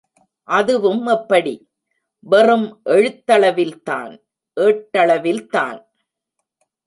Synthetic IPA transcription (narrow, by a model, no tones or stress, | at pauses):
ʔɐðɯʋɯmɛpːɐɽi | ʋɛrɯmʔɛɻɯt̪ːɐɭɐʋɪlt̪a̰ːn | ʔeːʈːɐɭɐʋɪlt̪a̰ːn